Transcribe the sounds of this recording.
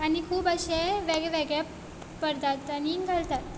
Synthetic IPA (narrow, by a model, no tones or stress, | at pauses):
añikʰuːpəɕẽʋeɡɭɛʋɛɡɭja | pəɾt̪at̪ːaniɡʱalt̪at̪